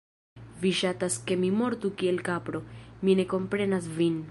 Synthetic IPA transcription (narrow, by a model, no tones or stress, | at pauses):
viʃataske̞mimo̞ɾtukie̞lkapɾo̞mine̞ko̞mpɾe̞nas̬vin